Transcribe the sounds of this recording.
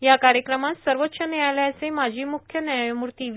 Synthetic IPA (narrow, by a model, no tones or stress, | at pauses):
jakaɾjəkɾəmat̪səɾʋət̪ːɕənejajlaəsemad͡ʑʱiːmukʰjənjajmuɾt̪iʋ